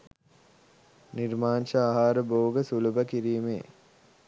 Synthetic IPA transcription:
niɾmaːnʃəaɦaːɾəboːɡəsulubəkiɾiːmḛː

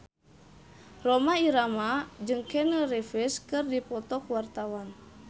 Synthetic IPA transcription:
rɔmaiɾamad͡ʒɨŋkɛnərɛfiskɨrdipɔt̪ɔkuwart̪awan

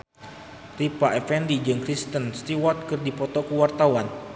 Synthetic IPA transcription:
ripaʔɛfɛndid͡ʒɨŋkɾist̪ənst̪iwɔt̪̚kɨrdipɔt̪ɔkuwart̪awan

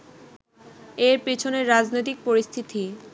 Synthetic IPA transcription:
eɾpit͡ɕʰoneɾːad͡ʑnojt̪̬ik̚poɾist̪ʰit̪i

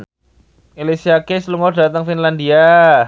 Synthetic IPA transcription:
elisiakesluŋɔrda̤t̪əŋfinlandia

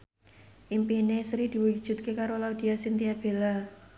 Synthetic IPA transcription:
ʔimpinesɾid̪̥i̤wu̥ʒ̥ṳt̪̚kekaɾolaud̪̥i̤asint̪iab̥e̤la

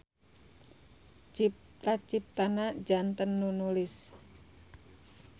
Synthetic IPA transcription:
t͡ʃip̚t̪at͡ʃip̚t̪anad͡ʒant̪ənːunulɪs

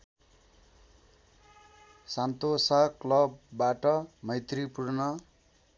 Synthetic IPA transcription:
sant̪osaklʌbːaʈʌmʌjt̪ripurnʌ

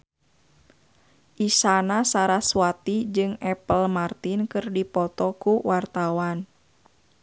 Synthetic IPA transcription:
ʔisanasaɾaswat̪id͡ʒɨŋɛpəlmart̪inkɨrdipɔt̪ɔkuwʔart̪awan

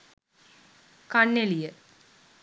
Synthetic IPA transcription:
kɐnːelijə

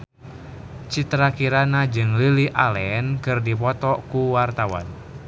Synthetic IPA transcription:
t͡ʃit̪ɾakiɾanad͡ʒɨŋliliʔalɛnkɨrdipɔt̪ɔkuwart̪awa̰n

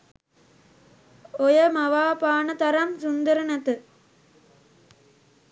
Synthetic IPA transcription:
ojəmɐʋaːpaːnət̪ɐɾɐmsund̪əɾənɐt̪ɨ

